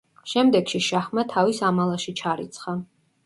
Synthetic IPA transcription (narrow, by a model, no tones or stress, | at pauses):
ʃɛmd̪ɛɡʃiʃaχmat̪ʰavisamalˠaʃit͡ʃʰaɾḭt̪sʰχa